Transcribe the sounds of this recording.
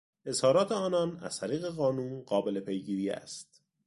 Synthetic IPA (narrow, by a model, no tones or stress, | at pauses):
ʔe̞zhɒːɾɒːt̪ʰe̞ɒːnɒːnæ̰z̥t̪ʰæɾiːɣe̞ɣɒːnuːnɢɒːbe̞le̞pʰe̞jɡiːɾiːæ̰st̪̚